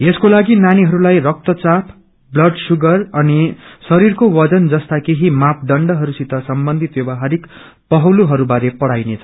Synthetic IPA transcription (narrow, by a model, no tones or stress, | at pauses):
eskolaɡinaniɦʌɾulajrʌk̚t̪ʌt͡sapʰ | blʌɖsuɡʌrʌnisʌɾirkowʌd͡zʌnd͡zʌst̪akeɦimap̚ʰɖʌɳɖʌɦʌɾusit̪ʌsʌmbʌnd̪ʱit̪jobaɦaɾik | pʌɦʌwluɦʌɾubaɾepʌɽajnet͡sʰʌ